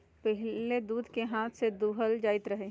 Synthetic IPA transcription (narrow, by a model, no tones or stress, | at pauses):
pɛɦled̪uːd̪ʱkeɦaːt̪ʰsed̪uɦəld͡ʒaːɪt̪ɾəɦeː